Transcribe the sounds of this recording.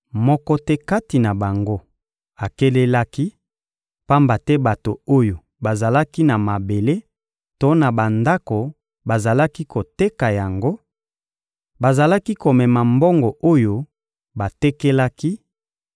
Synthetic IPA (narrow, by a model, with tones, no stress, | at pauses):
mɔ˦kɔ˦tɛ˦ka˦ti˨na˨ba˨ŋɡo˦ | a˨ke˦le˦la˦ki˦ | pa˦mba˨tɛ˦ba˨to˨o˦jo˨ | ba˨za˨la˦ki˦na˨ma˨be˨le˦ | to˦na˨ba˨nda˦ko˨ | ba˨za˨la˦ki˦ko˨te˦ka˨ja˨ŋɡo˦ | ba˨za˨la˦ki˦ko˨mɛ˨ma˨mbɔ˦ŋɡɔ˨ʔo˦jo˦ | ba˨tɛ˦kɛ˦la˦ki˦